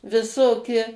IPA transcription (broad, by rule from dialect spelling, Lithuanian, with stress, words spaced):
ʋʲɪˈsoːkʲɪ